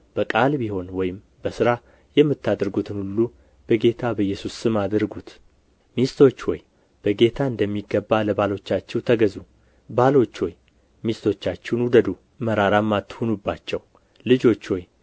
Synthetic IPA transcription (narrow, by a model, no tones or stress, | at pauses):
b̥əkʼalbiɦo̞nwɔjɪm | bəsɨɾa | jɛmːɨt̪ʰːad̪ɾɡut̪ʰɨnhulːu | b̥əɡe̞t̪ʰabəjːɛsusɨmad̪ɨɾɡut̪ | mist̪ʰo̞t͡ʃːwɔj | b̥əɡe̞t̪ʰaɨnd̪əmːiɡːəbːaləβalo̞t͡ʃːat͡ʃːɛwt̪ʰəɡəzu | balo̞t͡ʃːwɔj | mist̪ʰo̞t͡ʃːat͡ʃːɪnwud̪əd̪u | məɾaɾamːat̪ːhonubːat͡ʃːɛw | lɨd͡ʒo̞t͡ʃːwɔj